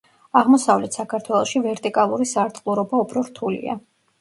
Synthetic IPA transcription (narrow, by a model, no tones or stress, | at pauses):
aʁmɔsavlɛt̪ʰsakʰaɾt̪ʰwɛlˠɔʃivɛɾt̪ʼikʼalˠuɾisaɾt̪ʼqʼlˠuɾɔbaupʰɾɔɾt̪ʰulḭa̰